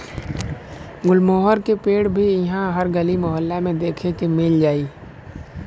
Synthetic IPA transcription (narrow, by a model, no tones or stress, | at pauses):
ɡʊlmoːɦəɾkepeːɽbʱiɦãɦəɾɡəlimɔɦəlːamẽd̪eːkʰekemɪld͡ʒaːiː